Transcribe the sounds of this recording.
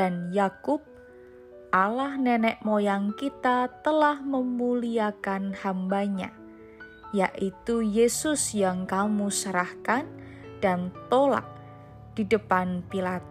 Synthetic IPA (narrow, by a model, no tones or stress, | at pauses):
danjakʊp̚ | ʔalahnɛnɛʔmojaŋkit̪at̪əlahməmuliakanhambaɲa̰ | jaʔit̪ujesʊsjaŋkamusəɾahkan | d̥ant̪ola̰k̚ | d̥idəpanpilat̪